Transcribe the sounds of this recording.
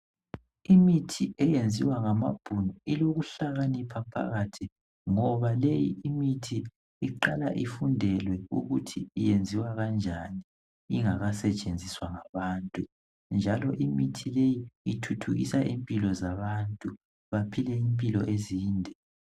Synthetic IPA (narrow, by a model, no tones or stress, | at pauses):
imitʰiʔɛjend͡zʱiwaŋama̰b̥ʱunɔiloɣuɬaɣanipʰapʰa̰ɣatʰi | ŋɔβalejiimitʰiː | ǃala̰ʔifundʱɛlwɛṵɣutʰiːjend͡zʱiwaɣand͡ʒʱani | iŋaɣasɛt͡ʃʼend͡zʱiswaŋaβaːntʼu | nd͡ʒʱalɔʔimitʰilejiitʰutʰuɣḭsaʔimpʼilɔzaβantʼu | βapʰilɛimpʼilɔʔeziːndʱɛ